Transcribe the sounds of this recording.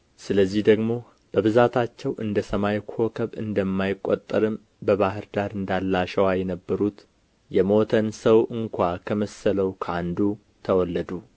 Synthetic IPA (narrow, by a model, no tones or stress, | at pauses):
sɨləzːihd̪əɡmo̞ | b̥əβɨzat̪ʰat͡ʃːɛwʔɨnd̪əsəmajkʰo̞kʰəβɨ̰nd̪əmːajɪkʼːot̪ʼːəɾɨm | bəβaɦɨɾd̪aɾɨnd̪alːaʃɛwajɛnəbːəɾut̪ | jɛmo̞t̪ʰənsəwɨŋkʷakʰəməsələwkʰəand̪u | t̪ʰəwɔlːəd̪u